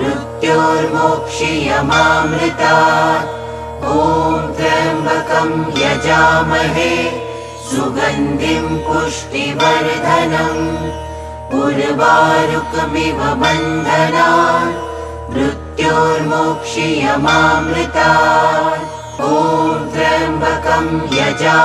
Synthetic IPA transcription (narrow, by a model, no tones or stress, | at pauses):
ɾut̪joːɾmoːkʂijɐmaːmɾɪt̪aː | oːmt̪ɾɐjɐmbʱɐkɐmjɐd͡ʒaːmɐɦe | suɡɐnd̪ʱimpuʂʈiʋɐɾd̪ʱɐnɐm | uɾbaːɾukbiʋɐbɐnd̪ʱɐnaː | mɾut̪joːɾmukʂijɐmaːmɾɪt̪aː | oːd̪ɾɐmbʱɐkɐmjɐd͡ʒaː